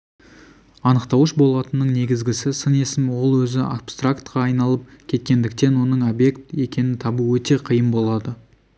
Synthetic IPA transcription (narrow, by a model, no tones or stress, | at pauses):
ɑnəqt̪ɑwəʃbo̞lˠɑt̪ənːəɴne̞ɡʲɪzɡʲɪsɪsəne̞sɪmwo̞lˠwɵzɪapst̪rakt̪qɑːjnɑlˠəp̚kʲʰe̞t̪̚kʲe̞nd̪ɪk̚t̪e̞nwo̞nəɴo̞bje̞kt̪e̞kʲe̞nɪnt̪ʰɑbəwɵt̪e̞qʰijəmbo̞lˠɑd̪ə